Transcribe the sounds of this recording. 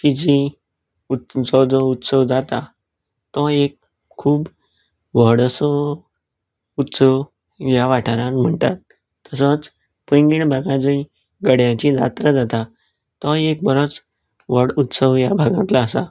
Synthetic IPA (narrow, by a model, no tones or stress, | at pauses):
kid͡ʑi | ud͡zɔd͡zɔut̪səʋd͡zat̪a | t̪ɔekʰː | uːb | ʋəɽəsɔ | ut̪səʋ | jaʋaʈʰaɾãnm̤əɳt̪at̪ː | əsət͡s | pəŋɡiɳbʱaɡãd͡zəi | ɡəɽjãt͡ɕid͡za̰t̪ɾəd͡zat̪a | t̪ɔek̚bəɾət͡s | ʋəɽut̪səʋjabʱaɡãt̪laəsa